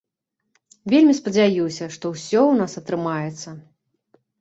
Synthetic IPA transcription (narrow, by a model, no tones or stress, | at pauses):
vʲelʲmʲispɐd͡zʲajusʲɐʂt̪ɔwsʲɔwnasɐt̪ɾɨmajɛt̪sːɐ